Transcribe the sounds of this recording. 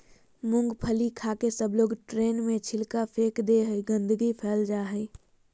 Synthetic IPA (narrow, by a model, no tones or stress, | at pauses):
mʊ̃ŋɡpʰəlikʰaːkesəbloːɡʈɾeːnmẽt͡ʃʰɪlkapʰeːkd̪eɦəiɡə̃nd̪ʱɡipʰɛːld͡ʒaːɦəi